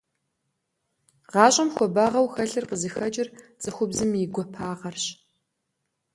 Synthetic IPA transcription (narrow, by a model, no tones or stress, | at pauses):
ʁɑːɕʼɐmxʷɔbaːʁɐwxɐɬɨrqəzɨxɐt͡ʃʼɪrt͡sʼɨxʷʊbzɨmiɡʷɔpʰaːʁɐrɕ